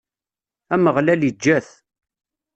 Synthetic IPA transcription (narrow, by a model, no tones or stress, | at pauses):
æməʁlælid͡ʒːæθ